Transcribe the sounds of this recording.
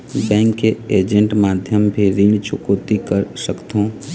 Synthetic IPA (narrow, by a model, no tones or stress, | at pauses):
d͡ʒɛ̃ːŋkeeːd͡ʒə̃ɳʈmaːd̪ʱjəmbʱiɾiːɳ̃t͡ʃʊkoːt̪ikəɾsəkt̪õː